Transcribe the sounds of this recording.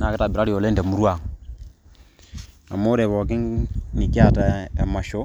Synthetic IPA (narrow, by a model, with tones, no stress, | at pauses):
na˨ke˦ta˨bi˨ɾa˦ɾi˨o˨le˦n˦da˨mu˦ɾwa˨ŋ | a̰˨mo˦ɾe˨βɔ˨ki˦ŋni˨ki˦a˦˨ta˨a˨ma˨ʃo˦